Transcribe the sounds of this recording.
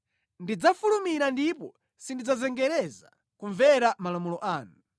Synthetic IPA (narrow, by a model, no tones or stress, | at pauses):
ndid͡zafulumiɾandipɔ | sindid͡zazɛŋɡɛɾɛza | kuɱvɛɾamalamulɔʔaːnu